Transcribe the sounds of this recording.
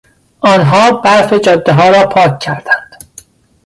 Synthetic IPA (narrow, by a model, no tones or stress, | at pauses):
ʔɒːnɦɒːbæɾfed͡ʒɒːd̪ːeɦɒːɾɒːpʰɒːkʲːʰæɾd̪̥ænd̪̥